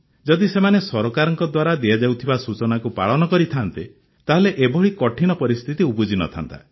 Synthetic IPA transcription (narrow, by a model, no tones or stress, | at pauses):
d͡ʒɔd̪isemanesɔɾɔkaɾɔŋkɔd̪waɾad̪ijad͡ʒawt̪ʰibasut͡ʃɔnakupa̰ɭɔnɔkɔɾit̪ʰant̪i | t̪aɦeleʔebɔɭikɔʈʰinɔpɔɾist̪ʰit̪iubud͡ʒinɔ̰t̪ʰa̰nt̪a̰